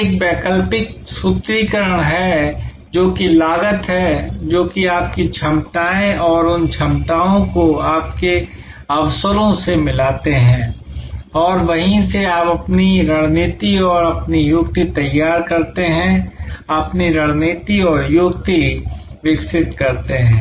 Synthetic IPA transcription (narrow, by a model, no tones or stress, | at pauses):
eːk̚bɛːkəlpɪk̚sut̪ɾikəɾəɽ̃ɦɛ | d͡ʒoːkilaːɡət̪ɦɛd͡ʒoːkiaːp̚kit͡ʃʰɐmʈ̪aːẽʔɔːɾʊnt͡ʃʰɐmʈaːõkoaːpke | ɐʋsəɾõsemɪlaːt̪eɦɛ̃ː | ɔːɾʋɐɦĩseaːpɐpniɾɐɽ̃neːt̪iɔːɾɐpnijʊɡt̪it̪ɐjːaːɾkɐɾt̪eɦɛ̃ɐpniɾɐɽ̃neːt̪iɔːɾjʊɡt̪iʋɪksɪt̪kɐɾt̪eɦɛ̃ː